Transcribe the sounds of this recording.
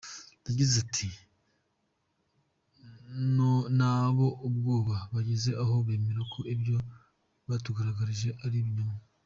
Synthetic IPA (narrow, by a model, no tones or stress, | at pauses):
duɟizatʰi | nonaβo̞ʔub̚ɡoːβaβaɟeze̞ʔaɦo̞βeːmeɾokʰoibjo̞ | βatuɡaɾaɡaɾiʒe̞ʔaɾiβɲoma